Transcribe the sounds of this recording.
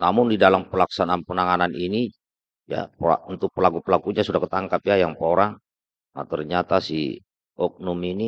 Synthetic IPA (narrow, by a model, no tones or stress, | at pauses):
namʊndidalampəlaksananpənaŋananini | ja̰pa̰unt̪ʊk̚pəlaɡupəlakuɲasudahkət̪aŋkapjajaŋpoɾaŋ | na̰t̪ərɲat̪asḭ | ɔk̚nɔmini